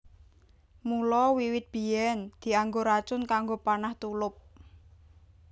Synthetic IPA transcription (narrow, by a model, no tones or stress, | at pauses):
mulɔwiwɪt̪̚b̥i̤ɛnd̪̥i̤aŋɡoɾat͡ʃʊnkaŋɡopanaht̪ulʊp̚